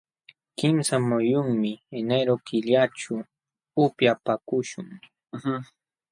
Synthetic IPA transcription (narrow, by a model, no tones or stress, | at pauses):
kɪmsamʊjʊŋmɪeneɾokɪʎaʈ͡ʂʊː | pjapakʊʃʊŋ